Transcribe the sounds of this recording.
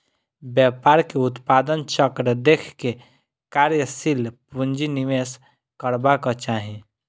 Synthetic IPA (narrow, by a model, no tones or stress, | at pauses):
bjaːpaːɾkeʊt̪paːd̪ənt͡ʃəkɾd̪eːkʰke | kaːɾjəsilpund͡ʒiniʋes | kəɾbakat͡ʃaːɦĩ